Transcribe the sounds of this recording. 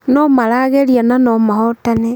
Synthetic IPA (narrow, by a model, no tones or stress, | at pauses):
nɔmaɾaːɣeɾiananɔmahɔtane